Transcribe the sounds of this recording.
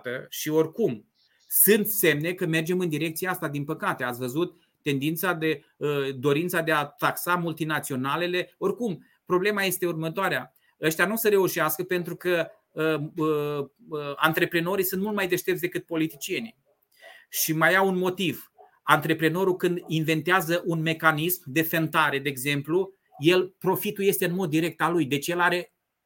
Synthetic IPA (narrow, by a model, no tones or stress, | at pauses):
t̪əʃio̞rkum | sɨnt̪se̞mne̞kəme̞rd͡ʒe̞mɨnd̪iɾe̞k̚t̪sieast̪ad̪inpəkat̪e̞at̪sʲvəzut̪ː | e̞nd̪int̪sad̪e̞ | əd̪o̞ɾint̪sad̪e̞at̪aksamult̪inat̪sio̞nale̞le̞o̞rkum | pɾo̞ble̞maje̞st̪e̞urmət̪oaɾea | əʃt̪janusəɾe̞uʃiaskəpe̞nt̪ɾukə | ant̪ɾe̞pɾeno̞ɾijsunt̪mult̪majd̪e̞ʃt̪ept̪sd̪e̞kɨt̪̚po̞lit̪it͡ʃie̞ni | ʃimajaunmo̞t̪iv | ant̪ɾe̞pɾeno̞ɾukɨnd̪inve̞nt̪eazəʔunme̞kanismd̪e̞fent̪aɾe̞d̪eːɡze̞mplu | je̞lpɾo̞fit̪uje̞seɨnmo̞d̪ːiɾe̞k̚t̪alujd̪e̞t͡ʃje̞laɾe̞